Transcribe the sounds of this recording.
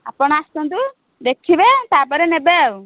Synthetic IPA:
apɔɽ̃aːst̪ɔnd̪u | d̪ekʰibɛt̪apɔɾɛnɛbɛw

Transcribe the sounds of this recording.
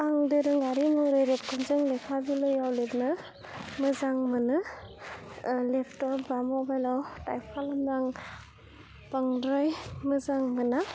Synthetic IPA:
aŋdɯɾɯŋaɾimɔjɾɯjɾep̚kʰɯnzɯŋlepʰabilɯjawlepnɯ | mɯzaŋmɯnɯ | lepʰtɔpbamɔbajlawtajpʰalamdaŋ | baŋdɾɯjmɯzaŋmɯna

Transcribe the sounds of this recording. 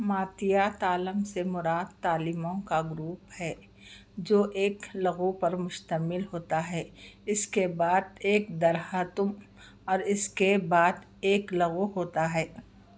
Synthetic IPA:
maːt̪ɪjat̪aːləmsemʊɾaːd̪̚t̪aːlɪmõkaɡʊɾuːphɛː | d͡ʒoːʔeːklɐɣopɐɾmʊʃt̪əmɪlɦoːt̪aɦɛːɪskebaːd̪̚eːkd̪ɐɾhət̪ʊm | ɔːɾɪskebaːd̪ | eːklɐɣoɦoːt̪aɦɛː

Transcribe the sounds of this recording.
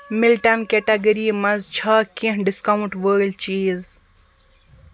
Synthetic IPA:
mɪlʈɐnkeʈɐɡɐɾimɐzt͡ʃʰɐːkĩɳɖɪskauɳʈʋəːɾlt͡ʃiːz

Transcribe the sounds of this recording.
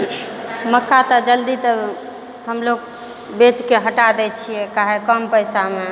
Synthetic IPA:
məkːat̪əd͡ʒəld̪it̪ə | həmloɡ̚ | bet͡ʃkeɦəʈad̪ɛt͡ʃʰijɛkaɦekəmpəjsame

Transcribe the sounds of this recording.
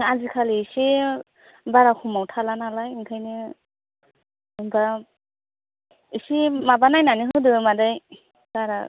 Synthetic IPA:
azikʰalise | baɾakʰumawtʰalanalajiŋkʰajnɯ | ɯŋba | isimabanajnaniɦɯdɯmadaj | b̥aɾa̰

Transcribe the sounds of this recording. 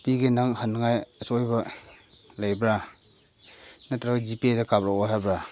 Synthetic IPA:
piɡenaŋhənŋajsɔjbɐ | lajbɾa | natɾaɡd͡ʒipiedakabɾaaɦajbɾa

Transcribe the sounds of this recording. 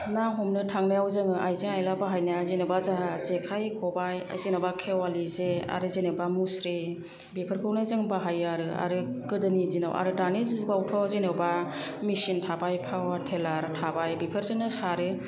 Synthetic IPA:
naɦɔmnɯtʰaŋnajawzɯŋɯʔajzeŋajlabaɦajnazenɯbazaɦazekʰajkʰɔbaja̰jzenabakʰewalizea̰ɾɯzenɯbamusɾi | bipʰɯɾkʰɯwnɯzɯŋbaɦajaɾɯa̰ɾɯkɯdɯnidina̰wʔa̰ɾɯdanizɡawtʰɔzenɯba | misintʰabajpʰawatʰelaɾtʰabajbipʰɯɾzɯnɯsaɾɯ

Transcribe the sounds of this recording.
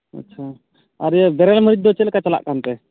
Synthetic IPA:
ɐ̰tːt͡ʃʰa | aɾbɛɾɛlməɾit̪̚d̪ɔt͡ʃɛlkat͡ʃala̰ʔkant̪ɛ

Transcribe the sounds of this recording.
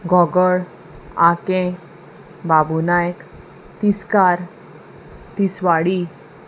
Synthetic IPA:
ɡɔɡəɭ | akẽ | babunajk | t̪iskaɾ | t̪isʋaɽi

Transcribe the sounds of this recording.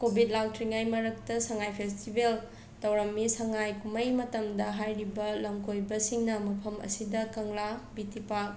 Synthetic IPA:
kobʱit̚lawtɾiŋajmɐɾɐk̚tɐsɐŋajpʰestibel | tɐwɾɐmːisɐŋajkumɐjmɐtɐmdɐɦajɾibɐlɐmkʰojbɐsiŋnɐmɐpʰɐmɐ̰sidɐkɐŋlabitipak̚

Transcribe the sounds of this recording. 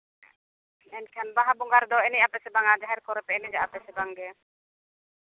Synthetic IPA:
ɛnkʰanbaɦabʊŋɡaɾd̪ɔɛnɛjapɛsɛbaŋad͡ʒaɦɛɾkɔɾɛpɛnɛd͡ʒaapɛsɛbaŋɡɛ

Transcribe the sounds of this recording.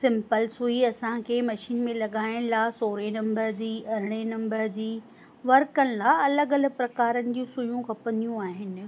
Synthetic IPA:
sɪ̃mpəlsuiɐsãkʰeːmɐʃiːnmẽlɐɠaːɪɽ̃laːsoːɾenɐ̃mbəɾd͡ʑiːʔɐɾɪɽ̃enɐ̃mbəɾd͡ʑiː | ʋɐɾkənɪ̆laɐləɡɐləɡ̚pɾɐkaːɾənɪ̆d͡ʑũsʊjũkɐpɐ̃nd̪ijũaːɦɪnɪ̆

